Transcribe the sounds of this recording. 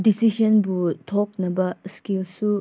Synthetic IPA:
disisɔnbutʰɔk̚nɐbɐskilsu

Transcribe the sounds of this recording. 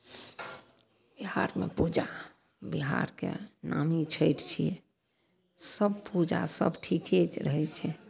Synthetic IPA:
b̥iɦaɾmḛpud͡ʒa | biɦaɾkḛnamit͡ʃʰəjʈt͡ʃʰiɛ | səbpud͡ʒasə̰bʈʰikʰet͡ʃɾəɦɛt͡ʃʰɛ

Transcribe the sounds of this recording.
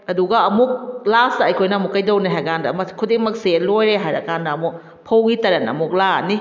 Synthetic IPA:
aduɡaːmuk̚lasaajkʰojnamukːajdɔwnaɦaɡandamakʰodeŋmak̚selojɾeɦaɾa̰kandamuk̚ | pʰowɡitaɾana̰muk̚laa̰ni

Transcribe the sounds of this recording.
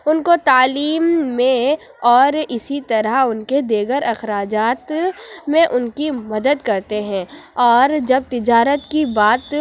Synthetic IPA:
ʊnkot̪aːliːmːẽ | ɔːɾɪsit̪ɐɾəʊnked̪eːɡəɾɐxɾaːd͡ʒaːt̪mẽʔʊnkimɐd̪əd̪kɐɾt̪eɦɛ̃ɔːɾd͡ʒɐb̚t̪ɪd͡ʒaːɾət̪kibaːt̪

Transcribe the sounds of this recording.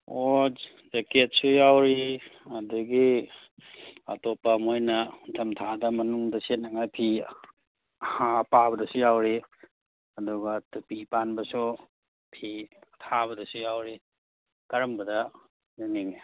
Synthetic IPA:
o | d͡ʒeket̚sujawɾiɐduɡi | ɐ̰topːamojnɐutʰɐmtʰadɐmɐnuŋdɐset̚nɐŋajpʰi | hapabɐdɐsujawɾi | ɐduɡɐtupipanbɐsu | pʰitʰabɐdɐsujawɾi | kɐɾɐmbɐdɐ | ziniŋe

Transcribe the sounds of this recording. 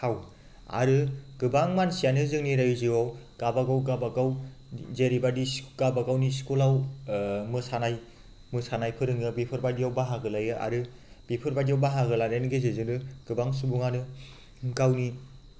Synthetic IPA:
haw | a̰ɾɯɡɯbaŋmansijanɯzɯŋniɾajuziwaw | ɡ̥abaɡawɡabakaw | zeɾibadiɡabakawniskulaw | mɯsanaj | mɯsanajpʰɯɾɯŋɯbipʰɯɾbadiawbaɦaɡɯlajɯʔa̰ɾɯ | b̥ipʰɯɾbadijawbaɦaɡɯlaɾenɯɡezezɯŋnɯɡ̥ɯbaŋsubuŋanɯ | kawni

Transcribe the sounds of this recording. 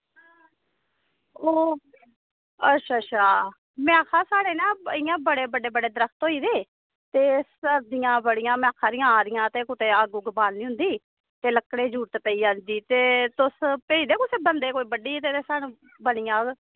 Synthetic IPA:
oː | ətʃʰaːʃʰaː | mɪãːkʰãːsaːɽeːnaːɪjãːbəɽeːbəɖeːbəɖeːd̪əɾəft̪ɦoːiːd̪eː | t̪eːsəd̪ɪjãːbəɽɪjãːmɪjãːkʰãːɾɪjãːɾɪjãːt̪eːkʊt̪eːaːɡuːɡəbaːnnĩːʊ̃nd̪iː | t̪eːləkːɽeːd͡ʒuːʈt̪epəiːand͡ʒiːt̪eːt̪ʊspeːiːd̪eːkʊseːbənd̪eːkoːiːbəɖiːt̪eːeːsaːnũː | bəɽɪjãː

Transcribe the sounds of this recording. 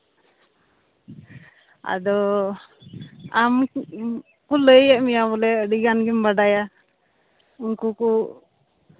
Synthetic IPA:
a̰d̪ɔ | am | kuləjɛʔmijaβɔlɛəɖiɡanɡimbaɖaja | uŋkuku

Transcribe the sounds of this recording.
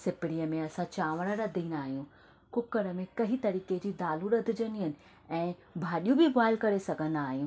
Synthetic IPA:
sɪpɪɽiəmẽɐsãt͡ɕaːʋəɽ̃əɾɐd̪ʱĩːnd̪aːɦijũ | kʊkəɾəmẽkɐɦit̪ɐɾiːked͡ʑiːd̪aːluɾɐd̪ʱɪd͡ʑəniɦənɪ̆ | ɛ̃ːbʱaːɗijũbʱɪɣaːɪlkɐɾesɐɡʱə̃nd̪aːɦijũː

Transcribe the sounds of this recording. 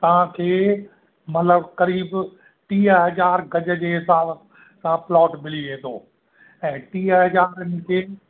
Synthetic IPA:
t̪ɐʋ̤ãkʰeː | mɐt̪ləbkɐɾiːb | ʈĩːəɦɐd͡ʑaːɾɡɐd͡ʑəd͡ʑeːɦɪsaːb | sãplɔːʈmɪliʋeːt̪ʰoː | ɛ̃ːʈĩːəɦɐd͡ʑaːɾənɪ̆kʰeː

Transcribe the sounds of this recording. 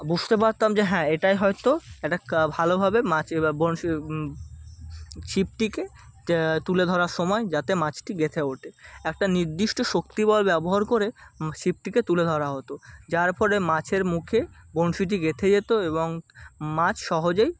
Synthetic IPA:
bud͡ʑʱt̪epaɾt̪amd͡ʑeɦɛ̃eʈajɦɔjt̪oɛʈabʱalobʱabemat͡ɕbonʃi | ʃip̚ʈike | t̪uled̪ʱɔɾaɾʃɔmɔed͡ʑat̪emat͡ɕʰʈiɡet̪ʰeoʈʰeɛk̚ʈaniɾd̪iʃʈoʃokt̪ibɔlbɛboɦaɾkoɾeʃip̚ʈiket̪uled̪ʱɔɾaɦot̪od͡ʑaɾpɔɾemãt͡ɕʰeɾmukʰebonʃiʈ̬iɡet̪ʰed͡ʑet̪oeβoŋmãt͡ɕʰʃɔɦod͡ʑej

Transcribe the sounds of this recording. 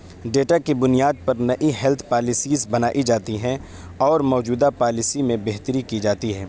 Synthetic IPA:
ɖeːʈakibʊnijaːd̪̚pɐɾnɐʔiɦɛlt̪ʰpaːlɪsiːzbɐnaːʔid͡ʒaːt̪iɦɛ̃ | ɔːɾmɔːd͡ʒuːd̪apaːlɪsimẽbeɦt̪əɾikid͡ʒaːt̪iɦɛː

